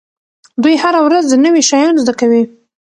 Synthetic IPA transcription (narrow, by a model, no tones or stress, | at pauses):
d̪ujhaɾawɾazd̪ənəwiʃɑjɑnzd̪akawi